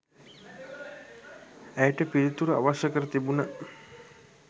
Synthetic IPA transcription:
æjəʈəpiɾit̪uɾəa̰ʋaʃəkəɾət̪ibuna

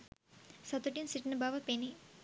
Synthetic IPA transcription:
sɐt̪uʈinsiʈnɐbaːʋɐpeni

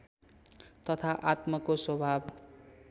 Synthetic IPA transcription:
t̪ʌt̪ʰaʔat̪mʌkoswʌbʱab

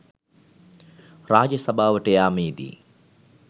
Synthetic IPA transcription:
ɾaːd͡ʒjɐsɐbʱaːʋɐʈejaːmiːd̪ḭ

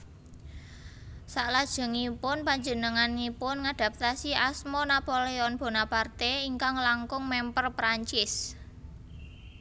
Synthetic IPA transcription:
saʔlad̥ʒ̥ə̤ŋipʊnpaɲd͡ʒənəŋanipʊnŋad̪̥a̤p̚t̪asiasmonapoleɔnb̥o̤napart̪eiŋkaŋlaŋkʊŋmɛmpərpɾaɲt͡ʃɪs

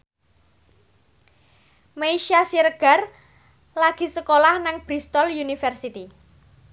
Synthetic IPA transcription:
meiʃasiɾəɡ̥a̤r | laɡ̥i̤səkolahnaŋb̥ɾist̪ɔljunifərsit̪i

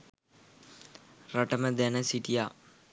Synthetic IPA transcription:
rɐʈəməd̪ænəsiʈijaː

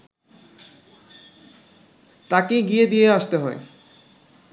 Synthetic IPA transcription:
t̪akeɡijed̪ijeaʃt̪eɦɔe

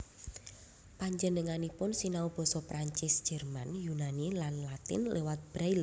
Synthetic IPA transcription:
paɲd͡ʒənəŋanipʊnsinaub̥ɔ̤sɔpɾaɲt͡ʃɪsd̥ʒ̥ɛrmanjunanilanlat̪ɪ̰nlewat̪̚b̥ɾajl

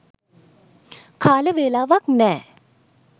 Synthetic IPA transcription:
kʰaːlebeːlaʋak̚nɛ

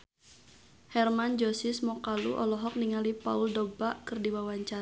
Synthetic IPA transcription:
hɛrmand͡ʒosɪsmɔkaluʔɔlɔɦɔk̚niŋalipauldobaʔkɨrdiwawaɲt͡ʃa

